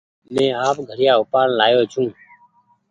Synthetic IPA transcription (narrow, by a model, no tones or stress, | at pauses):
mɛ̃ːaːpɡʱəɾɪjaːʊpaːɳlaːjoːt͡ʃʰũː